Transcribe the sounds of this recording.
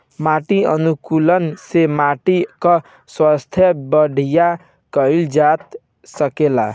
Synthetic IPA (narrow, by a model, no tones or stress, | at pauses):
maʈiʌ̰nukulʌnsemaʈikʌ | swast̪ʰjʌbʌɽʱija | kʌild͡zat̪̚ | sʌkela̰